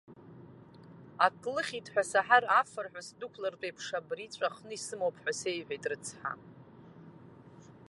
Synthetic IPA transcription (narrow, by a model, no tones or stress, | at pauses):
akʼlɨχʲitʰʼħʷᶣasaħarafɨrħʷᶣasdukʷʰlart͡pʼejpʰʂabrit͡ɕʷʼaχnɨisɨmowpʰħʷasejħʷᶣejtʼrɨt͡sʰħa̰